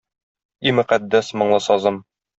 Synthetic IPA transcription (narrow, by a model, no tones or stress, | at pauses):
imɵ̆qæd̪ːæsmɤ̆ɴlˠɤsɒzɤm